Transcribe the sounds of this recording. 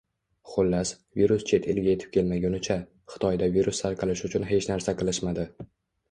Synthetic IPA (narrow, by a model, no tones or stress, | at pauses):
χolːas | viɾust͡ʃʰe̞t̪ʰɪlɡʲae̞t̪ʰɪ̥p̚kʲe̞lmaɡʲʊnɪt͡ʃʰa | χɨ̥t̪ʰɒjd̪aviɾust̪ʰaɾqʰɨlɪʃʊt͡ʃʰʊnɦe̞t͡ʃnaɾsaqʰɨlˠɪʃmad̪ɪ